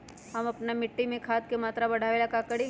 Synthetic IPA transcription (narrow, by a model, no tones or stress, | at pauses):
ɦɐmɐpnamɪʈːimẽkʰaːt̪̚kemaːt̪ɾabɐɽ̤ʱaːʋelakakɐɽe